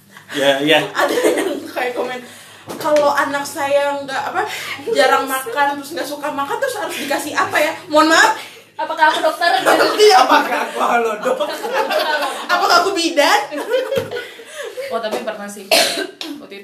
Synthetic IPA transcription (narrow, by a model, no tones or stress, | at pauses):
jajaʔadajaŋkajakomɛn | kaloʔanak̚sajaŋɡaʔapad͡ʒaɾaŋmakant̪ɾʊsŋɡaʔsukamakant̪ʊshaɾʊsdikasihapajamoanmat̪̚ | apakaakudɔk̚t̪ərt̪iɲaapakakualodɔk | apakaakubidan | ot̪apibərmasɪ | t̪i